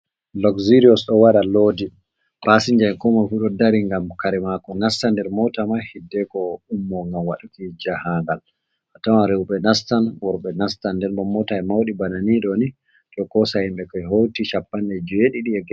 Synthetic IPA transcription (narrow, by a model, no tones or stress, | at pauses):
lɔkziɾiɔsɗɔwaɗaloːdi | pasiɲd͡ʒankɔmafuɗɔdaɾiŋɡamkaɾɛmakɔnastandɛɾmɔtamahidːɛkɔumːɔŋɡawaɗukid͡ʒahaŋɡal | ʔatawaɾeuɓɛnastanwɔɾɓɛnastandɛɾɗɔmɔtaɛmawɗibananiɗɔni | tɔkɔsahimɓɛkɔjɦowtiʃapːanɗɛd͡ʒɔeɗiɗiɛɡ